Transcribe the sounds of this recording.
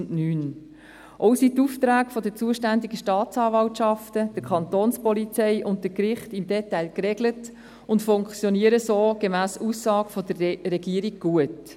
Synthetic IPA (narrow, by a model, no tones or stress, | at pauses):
nnyːn | ʔɔʊsit̪uft̪ɾæːɡfɔdət͡suəʃtændiɡəʃtɑːt̪t͡sɑːvɑltʃɑftəd̥əkʰɑnt̪oːnspɔlit͡sɛɪʔʊntdəkɾɪχtɪmd̪ɛtːæɪlkɾɛɡlət | ʊntfʊŋkt͡sjɔniəɾəsoːɡ̥emæːsusːɑːɡfɔdəɾɛɡiəɾiɡ̚ɡ̥uət